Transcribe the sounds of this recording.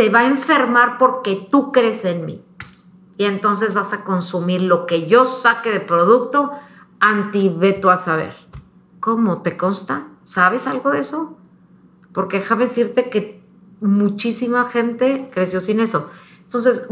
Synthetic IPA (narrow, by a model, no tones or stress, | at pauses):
te̞βae̞ɱfe̞ɾmaɾpo̞ɾke̞t̪ukɾe̞senmḭ | ie̞nt̪o̞ns̬e̞zβasako̞nsumiɾlo̞ke̞ʝo̞sake̞ðepɾo̞ð̞uk̚t̪o̞ | ant̪iβe̞t̪oasaβ̞e̞̰ɾ | ko̞mo̞t̪e̞ko̞nst̪asaβe̞salɣo̞ðe̞so̞ | po̞ɾke̞xaβesiɾt̪e̞ke̞ | mut͡ʃisimaxe̞nt̪e̞kɾesjo̞sine̞so̞ent̪o̞ns̬e̞s